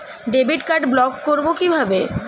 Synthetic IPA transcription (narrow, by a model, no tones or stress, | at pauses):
ɖebiʈkaɾɖblɔkːoɾbokibʱabe